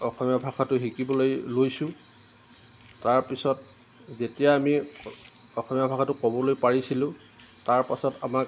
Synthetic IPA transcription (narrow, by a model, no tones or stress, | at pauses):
ɔxɔmijabʱakʰatʊɦikibɔlojlojsʊ̃ | taɹpisɔt̚ | zetijaːmi | ɔxɔmijabʱakʰatʊkɔbɔlojpaɹisilʊ̃ | taɹpasɔtamak